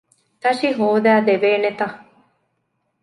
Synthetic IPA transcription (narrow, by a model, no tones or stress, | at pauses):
t̪ɐʃiɦoːd̪æːd̪eʋeːnet̪ɐ